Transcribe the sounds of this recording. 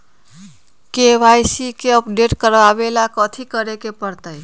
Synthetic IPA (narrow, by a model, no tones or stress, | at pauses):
keʋajsikeəpɖeʈkəɾʋaʋelakət̪ʰikəɾekepəɾt̪əj